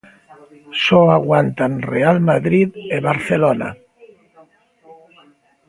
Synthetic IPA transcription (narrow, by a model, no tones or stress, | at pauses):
sɔaɣwant̪anrealmaðɾiðeβaɾθelona̰